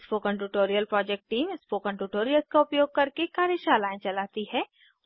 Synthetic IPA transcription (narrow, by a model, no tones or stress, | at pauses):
spokə̃ɳʈuːʈoːɾijəlpɾɔːd͡ʒɛk̚ʈʈːiːmɪspokə̃ɳʈuːʈoːɾijəlskaʊpjoːɡ̚kɐɾkekaːɾəʃaːlaːẽt͡ʃɐlaːt̪iɦɛː